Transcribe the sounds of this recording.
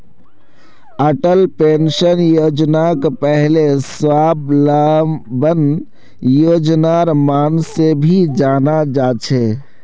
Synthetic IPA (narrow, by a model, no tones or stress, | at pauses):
əʈəlpeːnʃənjoːd͡ʒnakpɛɦleswaːblabən | joːd͡ʒnaɾmaːnsebʱid͡ʒaːnad͡ʒaːt͡ʃʰe